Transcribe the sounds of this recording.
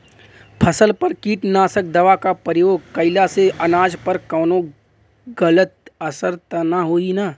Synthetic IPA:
pʰɐsəlpɐɾkiːʈnaːsək̚d̪ɐʋakapəɾɪjoːɡ̚kɐɪlaseʔɐnaːd͡ʒpɐɾkɔːnõ | ɡələt̪̚ɐsəɾt̪naɦoːinaː

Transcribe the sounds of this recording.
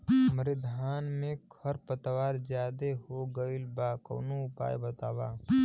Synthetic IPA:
məɾɪd̪ʱaːnmẽkʰəɾpət̪ʋaːɾd͡ʒjaːd̪eɦoɡəilbaːkə̰ːnuʊpa̰ːjbət̪aːʋaː

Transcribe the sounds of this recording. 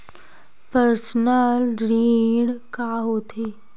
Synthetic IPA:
pəɾsnəlɾiɽkaɦot̪ʰe

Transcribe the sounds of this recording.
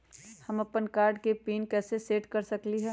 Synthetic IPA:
hɐmɐpənkaːɾɖkepiːnkɛːseseːʈkɐɾsɐkliɦɛː

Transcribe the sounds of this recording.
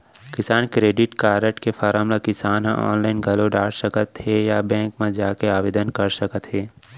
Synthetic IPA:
kɪsaːnkɾeːɖɪʈkaːɾəʈkefaːɾəːmlakɪsaːnɦãɔ̰ːnlaːɪnɡʱɐloɖaːɽsəkət̪ɦejabɛ̃ːŋkmẽd͡ʒaːkeaːʋeːd̪ənkɐɾsəkət̪ɦeː

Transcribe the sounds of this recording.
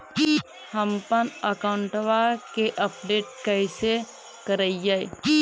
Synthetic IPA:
həmpənəkaʊɳʈʋakeʔəp̚ɖeːʈ̚kəɪse | kəɾəijaj

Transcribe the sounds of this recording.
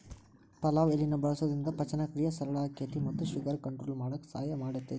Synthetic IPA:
pɐlaːʋelinɐbɐɭɐsɐd̪ɾind̪ɐpɐt͡ʃɐnɐkɾijɐsɐɾɐɭaːkeʈ̪imɐt̪ːuʃiɡɐɾkɐɳʈɾoːlmaːɽɐkːsaːjɐmaːɽɐt̪ːe

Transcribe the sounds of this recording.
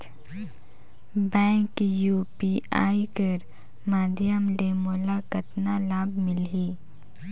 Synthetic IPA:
bɛ̃ːŋkjuːpia̰ːikəɾ | maːd̪jəmlemoːlakɐt̪nalaːbmɪlɦiː

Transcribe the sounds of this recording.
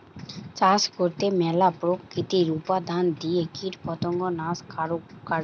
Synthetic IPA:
t͡ɕaskoɾt̪emɛlapɾokːit̪iɾupad̪ʱand̪iekiʈpɔt̪ɔŋɡɔnaska

